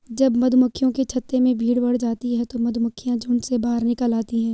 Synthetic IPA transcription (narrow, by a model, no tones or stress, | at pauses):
d͡ʒɐbmɐd̪ʱmʊkʰːjõket͡ʃʰɐt̪ːemẽbʱiːɽbɐɽ̤d͡ʒaːt̪iɦɛt̪omɐd̪ʱmʊkʰːijãd͡ʒʱʊɳsebaːɾnɪkəlaːt̪iɦɛ̃ː